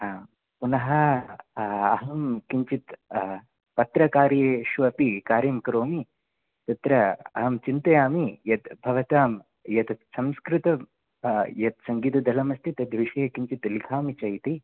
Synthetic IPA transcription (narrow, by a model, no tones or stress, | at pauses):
punɐɦɐ | ɐɦɐmkiɲt͡ʃit̪ | pɐt̪ɾɐkaːɾjeʃʋɐpikaːɾɐmkɾoːmi | t̪ɐt̪ɾɐɐ̰ɦɐmt͡ʃint̪ɐjaːmijɐt̪bʱɐʋɐt̪aːm | jɐt̪ɐsɐmskɾɪt̪ɐ | jɐt̪sɐŋɡiːt̪ɐd̪ʱɐlɐmɐst̪ʰit̪ɐd̪ʋiʃɐjɐkiɲt͡ʃit̪likʰaːmit͡ʃɐjt̪i